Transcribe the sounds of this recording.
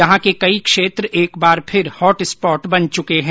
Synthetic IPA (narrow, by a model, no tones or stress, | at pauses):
ɐɦãkekɐikʃeːt̪ɾʔeːkbaːɾpʰɪɾhɔːʈɪspɔːʈbɐnt͡ʃʊkeɦɛ̃